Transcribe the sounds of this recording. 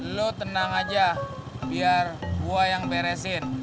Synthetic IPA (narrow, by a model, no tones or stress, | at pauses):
lot̪ənaŋad͡ʒabiarbuajaŋpɛɾɛsɪn